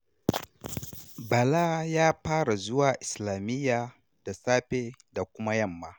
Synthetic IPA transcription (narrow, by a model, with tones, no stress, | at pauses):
bɐ˨laː˦jaː˦ɸaː˦ɽa˨zʊ˦waː˨ʔɪ˨slaː˨mɪ˦jːaː˨ | d̥a˨saː˦ɸeː˦da˨kʷʊ˦ma˦jɐ˦˨mːaː˦